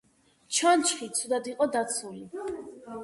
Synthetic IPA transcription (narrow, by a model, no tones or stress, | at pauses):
t͡ʃʰant͡ʃχit̪sʰud̪ad̪iqʼɔd̪at̪sʰuli